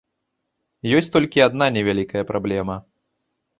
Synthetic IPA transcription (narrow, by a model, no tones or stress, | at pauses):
jɔsʲt̪ɔlʲkʲiad̪nanʲɛvʲalʲikɐjɐpɾablʲɛmɐ